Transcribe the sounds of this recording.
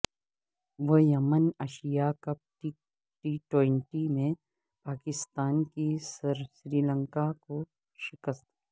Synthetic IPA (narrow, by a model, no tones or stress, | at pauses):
ʋəjɐmənɐʃijakəp̚ʈi | ʈiːʈwẽɳʈimẽ | paːkɪst̪aːnkisɾsɾiːlə̃ŋkako | ʃɪkəst̪